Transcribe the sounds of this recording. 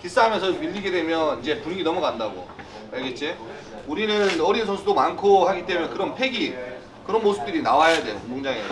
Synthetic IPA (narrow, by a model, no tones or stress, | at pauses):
kis͈aɦamjʌnsʰʌmiʎːiɡe̞dwe̞mjʌnind͡ʑe̞puɾiɡinʌmuɡandaɡo̰ | aɭɡet͡ɕ͈e | uɾinɯnʌɾinsʰosʰudomankʰohaɡit͈emujekɯɾʌnpʰe̞ɡi | kɯɾʌnmosʰɯ̥p̚t͈ɯɾinawajade̞̰jomoŋd͡ʑaŋe